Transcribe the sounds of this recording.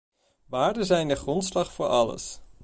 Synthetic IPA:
ʋaːɹdəzɛjndəχrɔntslɑχfʊːɹʔɑlə̰s

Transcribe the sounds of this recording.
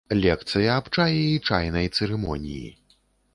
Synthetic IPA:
lʲɛkt̪sɨjɐːpt͡ʂajɛit͡ʂajnɐjt̪sɛɾɛmɔ̰nʲḭjḭ

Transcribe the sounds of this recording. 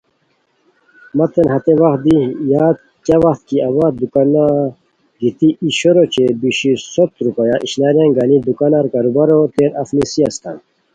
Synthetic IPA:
mat̪ʰenɦɐt̪ewaxt̪̚d̪ijaːt̪ | kjawaxt̪̚kiɐwat̪d̪ukana | ɡit̪iʔiɕoɾot͡ɕebiɕisot̪ɾupajaʔiɕnaɾjanɡanid̪ukanaɾkaɾubaɾot̪eɾafnisiast̪an

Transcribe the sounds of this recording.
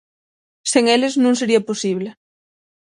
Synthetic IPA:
seŋeleznũŋseɾiɐposiβ̞le

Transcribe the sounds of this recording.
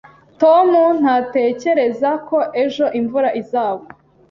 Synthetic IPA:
to̞mun̥hate̞ːce̞ɾe̞zako̞ʔe̞ʒo̞ʔiɱvuɾaʔizaːɡo

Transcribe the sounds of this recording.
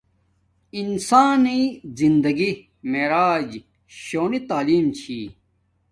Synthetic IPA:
insaːnizind̪ɐɡi | meɾaːd͡ʑ | ɕoːnit̪aːliːmt͡ɕʰiː

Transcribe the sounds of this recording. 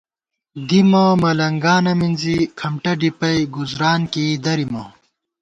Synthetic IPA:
d̪imɐmɐlɐŋɡaːnɐminzikʰɐmʈɐɖipɐjɡuzɾaːnkid̪ɐɾimɐ

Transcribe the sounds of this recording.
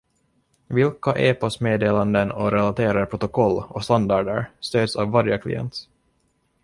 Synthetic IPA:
vɪlkaʔeːpɔsmeːd̪eːland̪ənɔɾɛlat̪ʰeːɾaɾpʰɾʊt̪ʊkʰɔlːɔst̪and̪ɑɖə̰ɾst̪øːd̪savːaɾjəkʰlɪ̰jɛ̰nt̪

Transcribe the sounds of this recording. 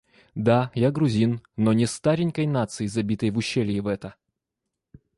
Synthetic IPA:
d̪ajaɡɾʊzʲinnːonʲɪst̪aɾʲɪnʲkəjnat̪sɨɪzɐbʲit̪əjvʊɕːelʲɪɪvɛt̪ə

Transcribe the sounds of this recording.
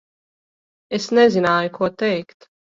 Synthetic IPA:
ɛsnɛzinaːjkʰɔt̪ɛːkt̪

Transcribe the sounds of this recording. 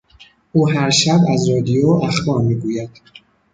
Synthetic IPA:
ʔuːɦæɾʃæbæzɾɒːd̪ijoːæxbɒːɾmiːɡuːjæd̪̥

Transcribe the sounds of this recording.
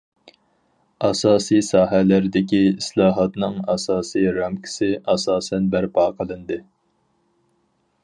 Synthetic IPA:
ɑsɑːsisɑːɦɛlæɾd̪ɪkʲiislˠɑːɦɑt̪nɨŋɑsɑːsijɾɑmkʲʰɪ̥sɪʔɑsɑːsɛnbæɾpʰɑːqʰəlˠɨnd̪ɨ

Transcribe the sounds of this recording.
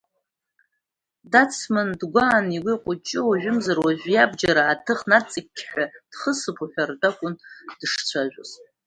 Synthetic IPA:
dat͡sʰmɨndɡʷaːniɡʷiqʷʼʊt͡ʃʼɪwaʒʷᶣʊmzarwaʒᶣʷjabd͡ʒaɾaːtʰɨχnat͡sʼɨkʲʰːħʷᶣad̥χəsɨpʰʼuħʷᶣardakʷʼʊnd̥ʂt͡sʷʰaʒʷᶣʊz

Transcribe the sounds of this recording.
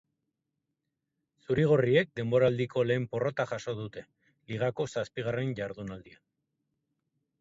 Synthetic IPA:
suɾiɣ̞orie̞k̚d̪e̞mbo̞ɾald̪iko̞le̞ːmpo̞ro̞t̪aʝaso̞ð̞ut̪e̞ | liɣ̞ako̞saspiɣ̞are̞nʝaɾðunald̪ia

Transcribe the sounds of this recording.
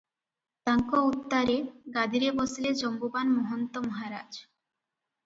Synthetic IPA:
t̪aŋkout̪ːaɾeɡad̪ʱiɾebɔsled͡ʑɔmbubanmɔɦont̪omɔɦaɾad͡ʑ

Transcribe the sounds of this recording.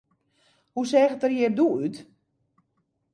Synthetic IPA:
husɛːxətərjɪːrduyt

